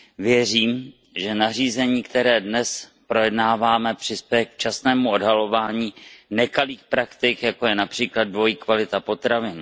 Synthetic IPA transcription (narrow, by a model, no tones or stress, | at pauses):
vjɛriːm | ʒɛnar̝iːzɛɲiːkt̪ɛɾɛːdnɛspɾojɛdnaːvaːmɛpr̝̥ɪspjɛjɛkt͡ʃasnɛːmuo̞dɦalo̞vaːɲiːnɛkaliːxpɾakt̪ɪkjakojɛnapr̥iːklad̪̚dvo̞jiːkvalɪt̪apo̞t̪ɾavɪn